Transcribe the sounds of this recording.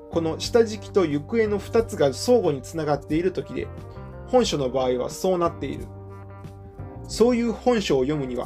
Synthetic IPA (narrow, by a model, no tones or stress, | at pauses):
ko̞no̞ɕi̥t̪aʑikʲi̥t̪o̞jɯ̟kɯ̟e̞no̞ɸɯ̥t̪at͡sɨɡaso̞ːɡo̞ɲ̟it͡sɨnaɡat̪ːe̞iɾɯ̟t̪o̞kʲid̪e̞̰ | hõ̞ɰ̃ɕo̞no̞baːiβ̞a̰so̞ːnat̪ːe̞ḭɾɯ̟̰ | so̞ːjɯ̟ːhõ̞ɰ̃ɕo̞ːjo̞mɯ̟ɲ̟iβa̰